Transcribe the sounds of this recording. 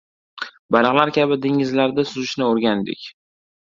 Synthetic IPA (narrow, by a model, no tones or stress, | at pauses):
balɑʁlaɾkʲʰabɪd̪eŋɪzlaɾd̪asʊzɪʃnɪoɾɡʲand̪ɪ̰kʲ